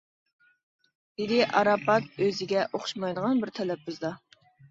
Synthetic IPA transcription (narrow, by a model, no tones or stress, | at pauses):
d̪̥ɪd̪ɪʔɑɾɑpɑt̪̚øzɪɡʲɛʔoχʊ̥ʃmɑjd̪əʁɑnbɪɾt̪ʰɛlɛp̚bɪzd̪ɑ